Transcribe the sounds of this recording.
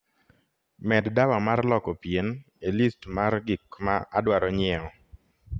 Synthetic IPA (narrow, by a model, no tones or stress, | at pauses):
mɛddawamarlɔkɔpjen | elistmarɡikmaʔadwaɾɔɲɪɛɔ